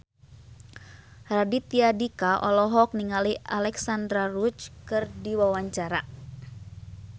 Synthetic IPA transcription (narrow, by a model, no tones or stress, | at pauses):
radit̪iadikaʔɔlɔɦɔk̚niŋalialɛksand̪ɾarut͡ʃkɨrdiwawaɲt͡ʃaɾa